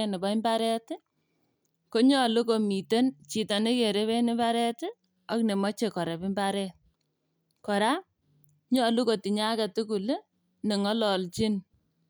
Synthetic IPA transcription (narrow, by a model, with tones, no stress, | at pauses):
nɪ˨ba˨i˦mba˦ɾɛ˦t | ko˦ɲɔ˦lu˦ko˨mi˨te˦nt͡ʃi˨ta˨nɪ˦ke˨ɾe˦βe˦nɪ˦ba˦ɾɛ˦tɪ˦ | a˦kne˨mɔ˦t͡ʃe˨kɔ˨ɾe˨bɪ˦mba˦ɾɛt | kɔ˨ɾa˦ | ɲɔ˦lu˦ko˨ti˨ɲa˦kɛ˨tu˦ku˨l | nɪ˨ŋɔ˦lɔ˨lt͡ʃi˦n